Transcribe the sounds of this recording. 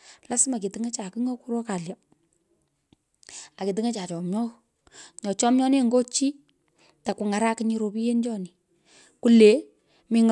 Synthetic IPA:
la˦sma˨k̬i˨tɪ˦ŋe˦t͡ʃa˨ki˦ŋo˦ku˦ɾo˦ka˨lja˨ | a˨ki˨t̬ɪ˨ŋe˦t͡ʃa˨t͡ʃɔ˨mjɔ˦ | ɲɔ˨t͡ʃɔ˦mɲɔ˦ni˦ŋɡo˦t͡ʃi˦ | ta˨ku˨ŋa˨ɾa˦ki˦ɲi˧ɾo˨pi˦je˦nd͡ʒɔ˦ni˨ | ku˦le˨˦ | mi˦ŋ

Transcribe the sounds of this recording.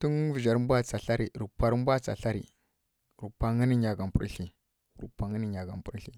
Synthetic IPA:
tu˦ŋ˦vi˨d͡ʒa˨ɾm˦bʷa˦t͡sa˨ɬa˦ɾi˨ɾu˨pa˨ɾm˦bʷa˦t͡sa̰˨ɬa˦ɾḭ˨ | ɾu˨pa˦ŋə˦ni˦ɲa˨ɡa˨m˨pṵ˦ɾɬi˨ | ɾṵ˨pa˨ŋə˦ni˦ɲa˨ɡa˨m˨pu˦ɾɬi˨

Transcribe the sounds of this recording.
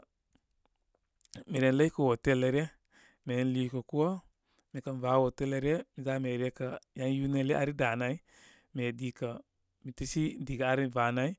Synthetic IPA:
mi˨ɾe˨nla˦i˦kə˨wo˨te˦le˨ɾe˦ | me˨˦n˦liː˨ko˨ku˦o˦ | mi˨ka˦nva˨˦wo˨te˦le˨ɾe˦mi˨za˦me˨ɾe˦ka˨ja˦nju˦ne˦le˦a˨ɾi˦da˨na˦i˦ | me˨di˦ka˨ | mi˨ti˦si˦di˨ɡa˨a˨˦ɾi˦va˨na˦i˦

